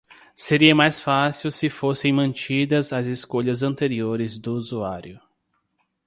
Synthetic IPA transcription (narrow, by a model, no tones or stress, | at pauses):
seɾiɐmajsfasiwsɪfosẽj̃mɐ̃nt͡ʃid̪ɐzɐzɪskoʎɐzɐ̃nt̪eɾioɾɪzd̪ʊːzuaɾjʊ